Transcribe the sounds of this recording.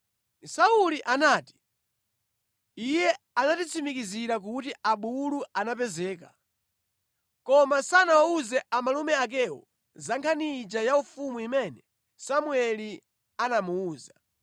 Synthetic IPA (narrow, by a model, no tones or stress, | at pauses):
sauliʔanaːti̥ | ijɛ | anatit͡sʰimikiziɾak̬utiaɓuluanapɛzɛːka | kɔmasanawauzɛʔamalumɛak̬ɛwɔ̰ | zaŋkʰanid͡ʒajaufumuimɛnɛ | samwɛli | anamuuːza